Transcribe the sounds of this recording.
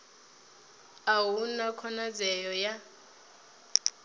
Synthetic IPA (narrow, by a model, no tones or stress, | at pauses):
awunakʰɔnad͡zɛjɔja